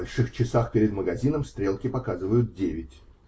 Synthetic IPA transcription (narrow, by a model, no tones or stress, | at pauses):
ɐlʲʂɨxt͡ɕɪsaxpʲeɾʲɪd̪məɡɐzʲinəmst̪ɾʲe̞lˠkʲɪpɐkazɨvəjʊt̪̚dʲevʲɪtʲ